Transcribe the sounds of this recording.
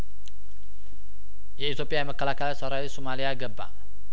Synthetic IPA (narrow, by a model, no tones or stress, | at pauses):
iit̪opiaməkalakalasaɾaisumaliaɡəba̰